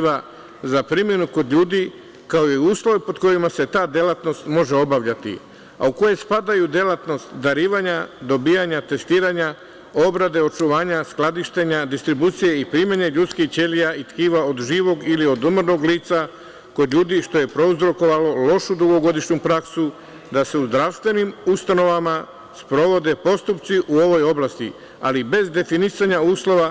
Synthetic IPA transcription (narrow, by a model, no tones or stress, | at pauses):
ʋa | zapɾimje̞nuko̞d̪ʎuːd̪i | kaoiuːslˠo̞ʋipo̞d̪ko̞jimase̞t̪aːd̪je̞lat̪no̞st̪mo̞ʒe̞o̞baʋʎat̪ḭ | a̰uko̞je̞spad̪ajud̪je̞lat̪no̞st̪d̪aɾiːʋaɲad̪o̞bijaɲat̪e̞st̪iːɾaɲa | o̞bɾad̪e̞o̞t͡ʃuʋaːɲasklˠad̪iʃt̪e̞ɲad̪ist̪ɾibuːt̪sije̞ipɾiːmeɲeʎut̪skixt͡ʃe̞lijait̪kiːʋao̞d̪ʒiːʋo̞ɡilio̞d̪umɾno̞ɡliːt̪sa | ko̞d̪ʎʲuːd̪iʃt̪o̞je̞pɾo̞uzɾo̞ko̞ʋalo̞lo̞ʃud̪uɡo̞ɡo̞d̪iʃɲumpɾaksu | d̪ase̞uzd̪ɾaʋst̪ʋe̞nimust̪ano̞ʋama | spɾo̞ʋo̞d̪e̞po̞st̪upt̪siʔuoʋo̞jo̞blast̪ḭ | a̰libe̞zd̪e̞finisaɲauːslo̞ʋa